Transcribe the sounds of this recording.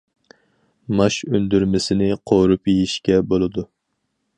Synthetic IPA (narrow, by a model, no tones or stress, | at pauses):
mɑʃønd̪yɾmɪsɪnɪqʰoɾupjijiʃkʲɛbolˠɨd̪u